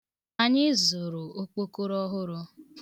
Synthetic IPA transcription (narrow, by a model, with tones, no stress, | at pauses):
a˨ɲɪ˦zʊ˨ɾʊ˨o˦k͡po˦ko˦ɾɔ˦ɦʊ˦ɾʊ˦